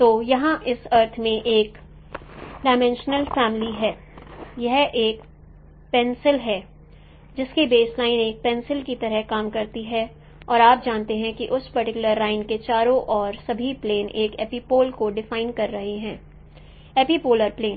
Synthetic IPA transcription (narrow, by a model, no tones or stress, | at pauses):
t̪oːjɐɦãʔɪsɐɾt̪ʰmẽʔeːk | ɖaːɪmɛ̃nʃnəlfɛːmɪliɦɛː | jɐɦʔeːk | pɛ̃nsɪlɦɛː | d͡ʒɪskibeːslaːɪneːk̚pɛ̃nsɪlkit̪ɐɾəɦkaːmkɐɾt̪iɦɛ | ɔːɾaːp̚d͡ʒaːnt̪eɦɛ̃kiʔʊspɐɾʈɪkʊləɾːaːɪnket͡ʃaːɾõʔɔːɾsɐbʱipleːnʔeːkɛ̰ːpipoːlkoɖɪfaːɪnkɐɾːɐɦeɦɛ̃ː | eːpipoːləɾpleːn